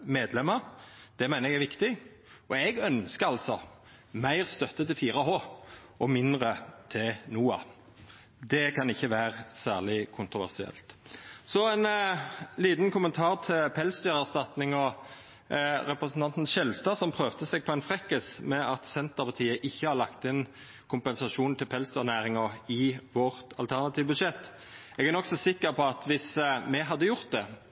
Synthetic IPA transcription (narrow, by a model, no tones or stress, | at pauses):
meːd̪lɛməʁd̪̥ɛmæɪnəɛɡæʁʋɪkt̪ɪ | ʔɔɛɡœnskəɑlsɔ | mæɪʁst̪œt̪ːət̪ʰɪlfiːʁəɦoːʔɔmɪnd̪ʁət̪ʰɪlnuːɑ̰ | d̪ɛkʰɑnɪçːəʋæːʁəsæːʁlɪkʰʊnt̪ʁʊʋæ̰ʁsɪɛ̰lt̪sɔɛnliːt̪nkʊmənt̪ʰɑːʁt̪ʰɪlpʰɛlsd̪yːʁæʁst̪ɑt̪nɪŋɔ | ɾɛpʁɛsn̩t̪ɑnt̪n̩ʃɛlst̪ɑːsɔmpʰʁøːʋt̪əsɛɡ̚pʰɔɛnfʁɛkːəsmɛɑt̪sɛnt̪əʁpʰɑʁt̪ʰiːəʔɪçːəhɑɾlɑkt̪ɪn | kʰʊmpɛnsɑʂuːnt̪ʰɪlpʰɛlsd̪yːʁnæːɾɪŋəɪʋɔʁt̪ɑ̰lt̪ʰæʁnɑt̪ʰiːʋbʉd̪ʂɛt̪ː | ɛɡæʁnɔksɔsɪkːəʁpʰɔɑt̪ʋɪsmɛɦɑd̪ːəjʊʁt̪̚d̪ɛ